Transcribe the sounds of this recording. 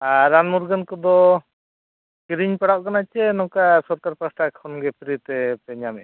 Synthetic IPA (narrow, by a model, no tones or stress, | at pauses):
aɾanmuɾɡənkɔd̪ɔ | kiɾiɲpɛɽaʔkanat͡ʃɛnɔkasɔɾkaɾpasʈakʰɔnɡɛpʰiɾit̪ɛpɛɲamɛʔ